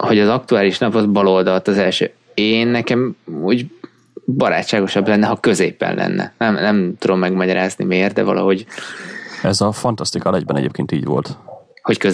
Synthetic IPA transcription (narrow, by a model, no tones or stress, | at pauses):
ho̞ɟɒzɒk̚t̪uaːliʃnɒpɒzbɒlo̞ld̪ɒlt̪ɒzɛlʃø̰ː | eːnːɛkɛmuːɟ | bɒɾa̰ːt͡ʃt͡ʃːaːɡo̞ʃɒblɛnːɛɦɒkø̞zeːpːɛ̰nlʔɛ̰nːʔɛ̰nɛmnɛmt̪ud̪o̞mːɛɡmɒɟɒɾaːznḭmeːrt̪d̪ɛ̰vɒ̰lʔɒ̰ɦo̞ɟ | ɛzɒfɒnt̪ɒst̪ikɒlɛɟbɛnɛ̰ɟḛːp̚keːnt̪iːɟʋo̞̰lt̪ho̞ckøz